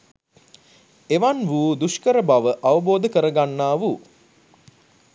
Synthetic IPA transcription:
eʋanʋuːd̪uʃkəɾəbaʋəʔaʋəboːd̪əkəɾəɡanːaːʋu

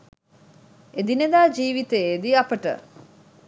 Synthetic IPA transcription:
ed̪ined̪aːd͡ʒiːʋit̪eed̪iapəʈə̰

